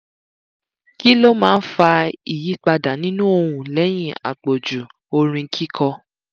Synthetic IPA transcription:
ki˦lo˦mãː˦n̩˦fa˧i˨ji˨˦k͡pa˧da˨nĩ˦nũ˦o˧ɾũ˨lɛ˨˦j̃ĩ˦˨a̰˨k͡po˨d͡ʒu˨ | o˧ɾ̃ĩ˧˦kʰi˦kʰɔ˧

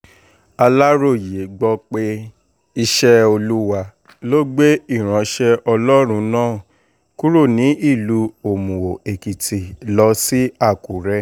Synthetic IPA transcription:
a˧la˦ɾo˦˨je˨˦ɡ͡bɔ˧k͡pe˧ | i˧ʃɛ˦o˧lu˦wa˧ | lo˦ɡ͡be˦i˦˨ɾ̃ã˨˧ʃɛ˧ɔ˧lɔ˦ɾ̃ũ˧˦nãː˦˨ | ku˦ɾo˦˨nĩ˨˦i˦˨lu˨˦o˨mũ˨wo˨e˨ki˨tʰi˨lɔ˧˦si˦a˦˨ku˨ɾɛ˦

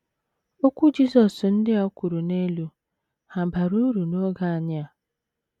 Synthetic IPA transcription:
o˦kʷu˦d͡ʒi˦zɔ˨sn̩˦dɪ˦ɔ˦kʷu˨ɾu˨ne˦lu˦ | ha˨ba˨ɾu˦ɾu˨no˦ɡa˦˨a˨ɲ˦a˦˨

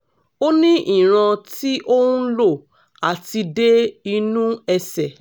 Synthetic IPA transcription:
o˦nĩ˦ʔi˦˨ɾ̃ã˧ti˦ʔo˦ũ˦lo˦˨ | a˨ti˧de˦i˧nũ˦ɛ˧sɛ˨

